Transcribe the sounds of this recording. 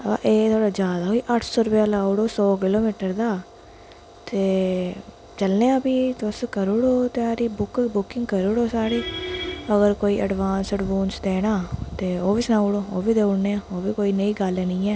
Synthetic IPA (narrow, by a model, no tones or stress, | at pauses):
a̰ʔeːt̪ʰoːɽaːd͡ʒjaːd̪aːɦoːiːʔəʈʰsoːɾʊpjaːlaːuɽoːsɔːkɪloːmiːʈəɾd̪aː | t̪eː | t͡ʃəlneːãːbiːt̪ːskəɾuɽoːt̪eaːɾiːbʊkbʊkɪ̃ŋɡkəɾuɽoːsaːɽiːəɡəɾkoːiːʔəɖʋaːnsəʈbuːnsd̪eːnaːt̪eːoːʋiːsnaːuɽoːoːbiːd̪eːʊɽneːãːoːbiːkoːiːnəiːɡəlenĩːɛː